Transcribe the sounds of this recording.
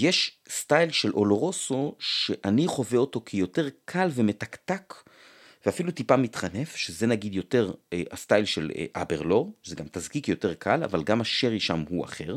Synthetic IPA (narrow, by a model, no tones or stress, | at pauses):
jeʃ | stajlʃe̞lʔo̞lo̞ʁo̞so̞ʃeʔaniχo̞veo̞to̞kʰejo̞te̞ʁkʰalveme̞takt̪ak | veafilut̪ipamitχane̞fʃezenaɡid̪jo̞te̞ʁast̪ajlʃel̰ʔa̰beʁloʁzeɡamt̪azkikjo̞te̞ʁkʰala̰valɡamaʃeʁiʃamhua̰χeʁ